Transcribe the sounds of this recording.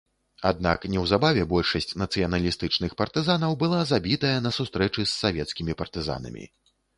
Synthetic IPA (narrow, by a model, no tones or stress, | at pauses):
a̰d̪̚na̰knʲɛwzabavʲɛbɔlʲʂɐsʲt͡sʲnɐt̪sɨjɐnɐlʲist̪ɨt͡ʂnɨxpɐrt̪ɨzanɐwbɨlˠazabʲit̪ɐjɐnɐsust̪ɾɛt͡ʂɨsːavʲɛt̪skʲimʲipɐrt̪ɨza̰nɐ̰mʲḭ